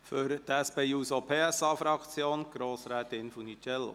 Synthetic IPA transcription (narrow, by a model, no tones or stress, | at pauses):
fyɾt̪ɛspeːjuːsopʰeːɛsɑːfɾɑkt͡sjoːnɡ̥ɾoːsɾɛːt̪ɪnfunit͡ʃɛlːo̰